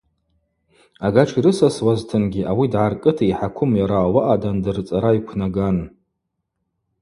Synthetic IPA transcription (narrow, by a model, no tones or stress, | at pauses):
aɡaʈ͡ʂʰiɾɨsaswaztʰɨnɡʲiʔawidʕarkʼɨtʰaiħakʷʰʊmjaɾaːwaʔadandɨrt͡sʼaɾaikʷʰnaɡan